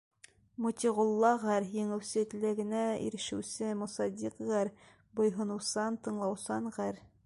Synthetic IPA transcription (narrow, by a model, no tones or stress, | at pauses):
mŭt̪ʲiʁŏlˠːɑʁæɾjɘ̆ŋɘ̆wsɘɘ̆t̪læɡɘ̆næḭɾɘ̆ʃɘ̆wsɘmŏsɑd̪ʲiqʁæɾ | bŏjɦɤ̆nɤ̆wsɑnt̪ɤ̆ɴlˠɑwsɑnʁæɾ